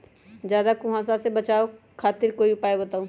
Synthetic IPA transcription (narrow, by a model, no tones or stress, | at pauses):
d͡ʒjaːd̪akʊ̃ɦãs̬asebɐt͡ʃaːo | kʰaːt̪ɪɾkoːiʊpaːebɐt̪aːũː